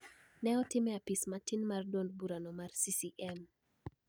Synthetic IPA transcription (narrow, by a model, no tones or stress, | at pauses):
nɛɔtɪmɛapismatinmardwondbuɾanɔmarsisiʔɛm